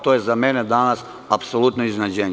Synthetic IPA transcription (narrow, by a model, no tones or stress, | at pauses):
t̪ojezamened̪anas | apsolut̪noiznad͡ʑeɲ